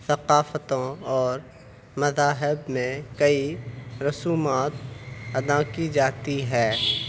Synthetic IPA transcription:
θɐqaːfət̪õɔːɾ | mɐzaːɦɪbmẽkɐiɾʊsuːmaːt̪ɐd̪aːkid͡ʒaːt̪iɦɛː

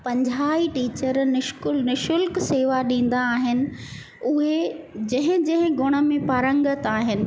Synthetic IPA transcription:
pɐ̃ɲd͡ʑʱaːiʈiːt͡ɕəɾnɪʃkʊlnɪʃʊlkseːʋaɗĩːn̆d̪aːɦɪnɪ̆ | ʊɦed͡ʑɐ̃ɦɪ̃d͡ʑɐ̃ɦɪ̃ɡʊɽ̃ə̆mẽpaːɾə̃ŋɡət̪aːɦɪnɪ̆

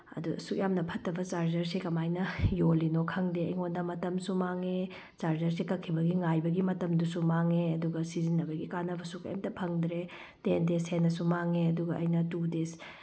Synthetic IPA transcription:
ɐ̰dusuk̚jamnɐpʰɐtːɐbɐt͡ʃaɾd͡ʒɐɾsikɐmajnɐjolinokʰɐŋdeɐjŋonːɐmɐtɐmsumaŋe | t͡ʃaɾd͡ʒɐɾsikɐkʰːibɐɡiŋajbɐɡimɐtɐmdusumaŋeɐduɡɐsizinːɐbɐɡikanɐbɐsukɐ̰jmtɐpʰɐŋdɾe | tendesenːɐsumaŋeɐduɡɐʔɐ̰jnɐtudes

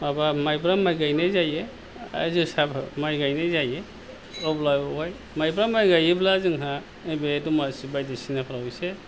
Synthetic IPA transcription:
abamajbɾamajɡajnazajḛ | zusabmajɡajnazaje | ɔblajbwaj | majbɾamajɡajeblazɯŋɦa | ɯjbedumasibajdesinapʰɾaujse

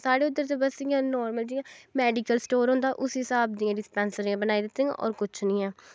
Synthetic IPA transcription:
saːɽeːʊd̪əɾt̪eːbəsijãːnɔːɾməld͡ʒiãːmɛːɖiːkəlsʈoːɾɦõːnd̪aːʔʊsɦɪsaːb̚d̪ɪjãːɖɪspɛ̃ːnsəɾiãːbənaːid̪ɪt̪ːeːã̰ʔɔ̰ːɾkʊt͡ʃʰnĩːɛː

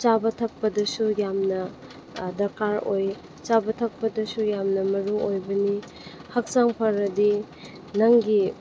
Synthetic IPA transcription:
t͡ʃabɐtʰɐk̚pɐdɐsujamnɐ | dɐɾkaɾoj | t͡ʃabɐtʰɐk̚pɐdɐsujamnɐmɐɾuŋojbɐni | hɐk̚saŋpʰɐɾɐdi | nɐŋɡi

